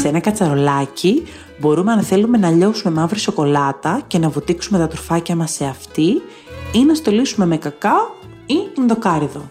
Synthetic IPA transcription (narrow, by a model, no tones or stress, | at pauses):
seenɐkɐt͡sɐɾo̞lɐci | bo̞ɾume̞ɐnθe̞lume̞nɐʎo̞sume̞mɐvɾiso̞ko̞lɐt̪ɐce̞nɐvut̪iksume̞t̪ɐt̪uɾfɐcɐmɐse̞ɐft̪i | inɐst̪o̞lisume̞me̞kɐkɐ | iinðokɐɾiðo̞